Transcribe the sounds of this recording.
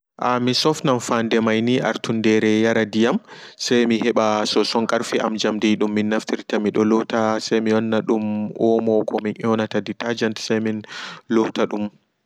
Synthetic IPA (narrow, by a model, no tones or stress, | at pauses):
ʔamisɔfnamfandɛmajniʔa̰ɾtʰundɛɾɛjaɾadijamsajmihɛɓasɔsɔŋkʼaɾfiʔa̰md͡ʒamdiɗumːinːaftiɾtamiɗɔlɔhtasajmiɔnːaɗumʔɔmɔkɔminʔɔnataditad͡ʒantsajminlɔhtaɗum